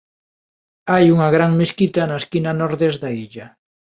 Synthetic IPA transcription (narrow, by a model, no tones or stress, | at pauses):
ajuŋɐɣɾaŋmeskit̪anaeskinanoɾðezðaiʎa